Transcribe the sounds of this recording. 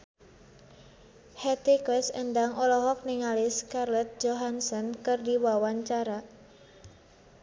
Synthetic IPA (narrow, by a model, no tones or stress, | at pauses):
hɛt̪ikwɛsə̰nd̪aŋʔɔlɔɦɔk̚niŋalɪskarlɛt̪̚d͡ʒoɦansɔnkɨrdiwawaɲt͡ʃaɾa